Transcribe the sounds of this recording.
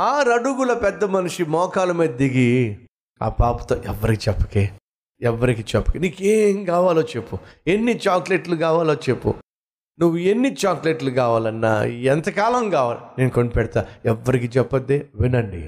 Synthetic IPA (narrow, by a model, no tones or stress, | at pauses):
aːɾɐɽuɡulɐpɛd̪ːɐmɐnuʂimɔːkaːlɐmeːd̪ɐd̪iɡi | a̰ːpaːpu̥t̪oːʔɛʋːɐɾikit͡ʃɛpːɐ̥keː | ɛʋːɐɾikiːt͡ʃɛpːɐ̥kiniːkeːŋkaːʋaːloːt͡ʃe̞pːuenːit͡ʃaːkleʈlukaːʋaːloːt͡ʃepːṵ | nuʋːuenːit͡ʃaːkleʈlukaːʋaːlɐnːa̰ːɛnt̪ɐkaːlɐmkaːʋaːlineːnukoɳɖipɛɽɐt̪aːɛʋːɐɾikiːt͡ʃɛpːɐd̪ːeːʋinɐɳɖḭ